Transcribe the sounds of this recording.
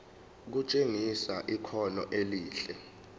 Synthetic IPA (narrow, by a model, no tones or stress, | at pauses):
k̬ut͡ʃʼeŋisaʔikʰɔnɔ̰ʔeliːɬɛ